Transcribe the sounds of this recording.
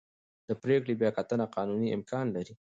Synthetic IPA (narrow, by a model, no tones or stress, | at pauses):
d̪̥əpɾekɽibjɑkat̪ənaqɑnuniʔɪ̰mkɑnlaɾi